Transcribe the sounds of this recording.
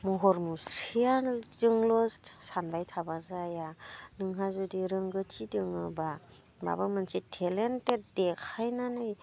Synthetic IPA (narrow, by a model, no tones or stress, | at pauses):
muɦɔɾmusijadɯŋlɔssanbajtʰabazajanɯŋɦazudiɾɯŋɡɯtʰidɯŋɯba | ba̰bamansitʰelentetdekʰajnanɯj